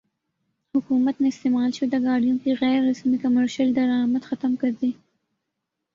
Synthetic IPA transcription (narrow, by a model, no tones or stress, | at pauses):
hʊkumat̪naɪst̪emɑlʃed̪əɡɑɖijunkiɣɛjɾːasmikamaɾʃald̪aɾɑmat̪xat̪amkaɾdi